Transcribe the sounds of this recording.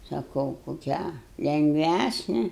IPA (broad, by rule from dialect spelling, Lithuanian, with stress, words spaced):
sɐˈkɐʊ koːˈkʲæː lʲɛŋɡˈʋʲæsʲnʲɛ